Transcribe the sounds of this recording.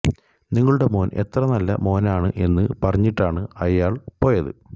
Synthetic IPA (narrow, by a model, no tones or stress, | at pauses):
niŋːɐɭuɽe̞mo̞ːnʔe̞̰t̪rɐnɐlːɐ̰mo̞ːnaːɳɨʔe̞nːɨpɐrɐɲːiʈːaːɳɨɐjaːɭpo̞ːjɐðɨ̰